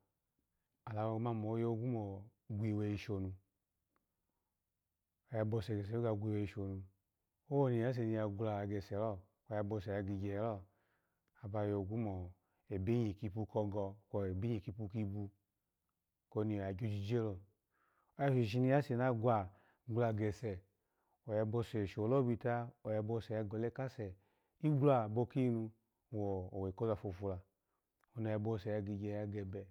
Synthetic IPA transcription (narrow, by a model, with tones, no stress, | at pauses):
a˨la˨˧wo˧ɡma˧˨mo˨˦jo˧˦˧ɡu˦mɔ˨ | ɡʷi˨˧˨wɛ˧i˧ʃo˨nu˧ | o˨ja˧bɔ˧˨sɛ˨ɡɛ˨s̬ɛ˨˦o˦ɡa˧ɡʷi˧˨wɛ˨˧˨i˧˨ʃo˨nu˧ | o˦wo˦ni˧˨a˨˦s̬e˧˨ni˧ja˧ɡʷu˧la˨˧a˨˧ɡɛ˨sɛ˨lɔ˦ | kɔ˧ja˧bɔ˧sɛ˨ja˧ɡi˧ɡɛ˨˦lɔ˦˨ | a˨ba˧jo˧˨ɡu˦mɔ˨ | e˨be˦ɲi˨ki˧pu˧kɔ˧ɡɔ˧kɔ˧e˨be˦i˨ki˧pu˧ki˧bu˧ | ko˧ni˧˨ɔ˨a˨ɡo˧˦d͡ʒi˧d͡ʒe˦lo˧˨˦ | a˦ʃi˨ʃi˧ni˧˦ja˦se˨na˦ɡʷa˨ | ɡla˧˨ɡɛ˨sɛ˨ | o˨jɛ˧bo˧sɛ˨ʃo˨lɔ˦bi˧˨ta˧o˨jɛ˧bo˧˨sɛ˨a˧ɡɔ˨le˦ka˦sɛ˨ | i˦ɡla˧˨bo˧ki˦nu˧˨ | wɔ˨o˨we˨ko˦a˧˨fo˧˨fu˧la˨ | o˧na˧ja˧bo˧˨sɛ˨ja˧ɡi˧ɡɛ˧ja˧ɡɛ˧bɛ˨